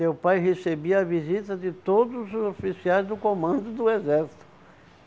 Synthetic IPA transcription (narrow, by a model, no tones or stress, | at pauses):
ewpajɦesebiɐɐvizit̪ɐd͡ʒɪt̪od̪ʊzʊzofisiajzd̪ʊkõmɐ̃nd̪ʊd̪ʊezɛɾsi̥t̪ʊ